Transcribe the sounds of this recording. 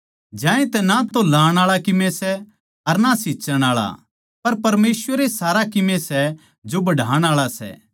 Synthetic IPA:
d͡ʒãːẽt̪ɛnat̪olaːɽ̃aːɭakɪmẽsɛ | ɐɾnasiːt͡ʃəɽ̃aːɭa̰ | pɐɾpɐɾmeːsʋəɾesaːɾakɪmẽsɛ | d͡ʒobɐɖʱaːɽ̃aːɭasɛ̰

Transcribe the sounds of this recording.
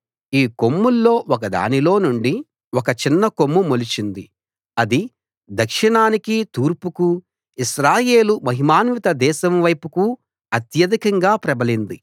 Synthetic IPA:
iːko̞mːulːo̞ːɔk̬ɐd̪a̰ːnilo̞ːnuɳɖi | ɔkɐt͡ʃinːɐko̞mːumolit͡ʃind̪i | ɐd̪i | d̪ʱɐkʂiɳaːnikit̪uːɾpuku | iʃɾaːjeːlumɐɦimaːnʋit̪ɐd̪ɛːʃɐmʋɐjpuku | ɐt̪jɐd̪ikɐŋɡaːpɾɐbɐlind̪i

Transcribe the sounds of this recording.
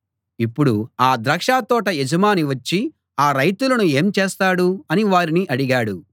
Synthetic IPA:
ipːuɽuaːd̪ɾɐkʂaːt̪ɔːʈɐɛd͡ʒɐmaːniʋɐt͡ʃːi | aːɾɐjt̪ulɐnue̞ːmt͡ʃeːst̪aːɽuɐniʋaːɾiniʔɐɽiɡaːɽu

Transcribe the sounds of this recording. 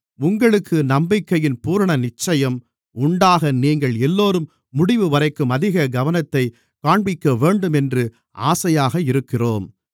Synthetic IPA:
ʊŋɡɐɭɯkːɯnɐmbɪkːɐjɪnpuːɾɐɳɐnɪt͡ʃːɐjɐm | ʊɳɖaːɣɐniːŋɡɐɭɛlːoːɾɯmː | ʊɽɪʋɯʋɐɾɐɪkːɯmɐðɪɣɐɡɐʋɐnɐt̪ːɐɪ | kaːɳbɪkːɐʋeːɳɖɯmɛndrɯ | a̰ːsɐjaːɣɐɪɾɯkːɪroːm

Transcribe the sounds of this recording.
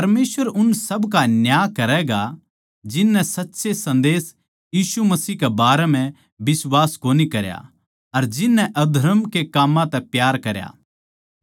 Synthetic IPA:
ɐɾmeːsʋəɾʊnsɐbkanjaːkɐɾɛɡa | d͡ʒɪnːɛ̃sɐtːsesɐ̃nd̪eːs | jiːsumɐsiːkebaːɾɛm̤ɛ̃ | bɪswaːskoːnikɐɾja̰ | ɐɾd͡ʒɪnːɛ̃ʔɐd̪ʱɐɾəmkekaːmãt̪ɛpjaːɾkɐɾja̰ː

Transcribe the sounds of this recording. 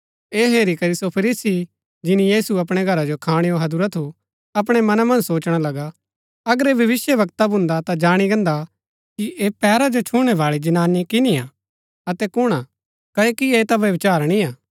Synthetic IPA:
eːɦeːɾikɐɾisopʰɐɾiːsi | d͡ʒɪnijiːsuɐp̬ɽ̃eɡʱɐɾad͡ʒokʰaːɽ̃eoɦɐd̪uɾat̪ʰu | ɐp̬ɽ̃emɐnamɐ̃nsoːt͡ʃɽ̃alɐɡa | ɐɡəɾeʋjɐʋɪsjəʋɐk̚t̪abʱʊ̃nd̪at̪ad͡ʒaːɽ̃iɡɐ̃nd̪a | kiʔepɛːɾad͡ʒot͡ʃʰʊɽ̃ɛʋaːɭid͡ʒɐnaːnikɪniaː | ɐt̪ɛkʊɽ̃a | kɐekieːt̪aʋjɐʋɪt͡ʃaːɾñĩaː

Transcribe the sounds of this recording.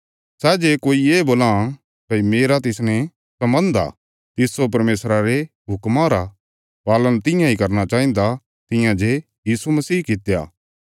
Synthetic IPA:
sɛːd͡ʒekoːieːboːlã | pɐimeːɾat̪ɪsnɛ̃ | sɐmbə̃nd̪a̰ | t̪ɪsːop̬ɐɾmeːsɾaɾe | ɦʊkmãɾa | paːlənt̪ɪ̃jãikɐɾnat͡ʃaːĩnd̪a | t̪ɪ̃jãd͡ʒe | jiːsumɐsiːkɪt̪ja̰ː

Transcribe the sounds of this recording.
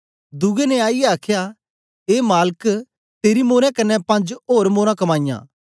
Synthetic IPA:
d̪ʊɡenɛaːijɛaːkʰja | eːmaːlək | t̪eːɾimoːɾẽkɐnːɛpɐ̃nd͡ʒoːɾmoːɾãkɐmaːɪjã̰ː

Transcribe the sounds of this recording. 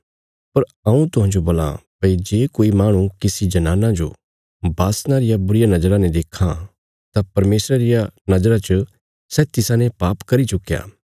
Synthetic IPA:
pɐɾ | ɐ̃ũt̪ʊɦãːnd͡ʒoboːla̰pɐid͡ʒeːkoːimaːɽ̃ũkɪsid͡ʒɐnaːnãd͡ʒo̰ | baːsnãɾɪjabʊɾɪjanɐd͡ʒɾãnɛd̪eːkʰã | t̪apɐɾmeːsɾaɾɪjanɐd͡ʒɾat͡ʃə | sɛt̪ɪsãnɛpaːpkɐɾit͡ʃʊkːja̰ː

